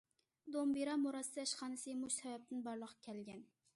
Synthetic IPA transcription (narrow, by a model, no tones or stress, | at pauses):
d̪ombiɾɑmoɾɑsd̪ɛʃχɑːnɨsɨmuʃsɛvɛp̚t̪ɪnbɑɾlˠəqʰkʲʰɛlɡʲɛn